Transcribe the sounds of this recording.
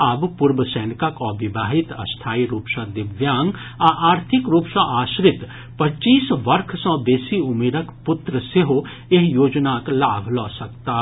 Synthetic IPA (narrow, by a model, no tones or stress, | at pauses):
aːbpʊɾbəsɛːnɪkəkɔʋɪbʱaːɦɪt̪ɐ̰st̪ʰaːiɾuːpsãd̪ɪʋjaːŋɡ | aʔaːɾt̪ʰɪkɾuːpsãʔaːʃɾɪt̪ | pɐt͡ʃiːsʋɐɾkʰsə̃b̪eːsiʊmeːɾəkpʊt̪ɾəseɦo | eɦjoːd͡ʒnaklaːbʱlɔːsɐk̚t̪a